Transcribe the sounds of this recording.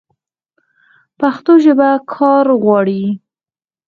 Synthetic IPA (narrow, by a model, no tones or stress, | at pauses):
paxt̪oʒəbakʰɑɾɣwɑɽi